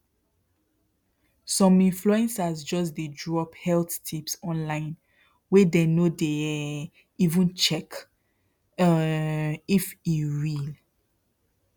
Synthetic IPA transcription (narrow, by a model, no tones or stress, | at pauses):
sɔ̃mĩnfluɛ̃nsasd͡ʒɔs̬dedɹɔphɛlθtʰipsɔ̃nlãɪ̃n | wɛdenode | ivə̃nt͡ʃɛk | ifiɹil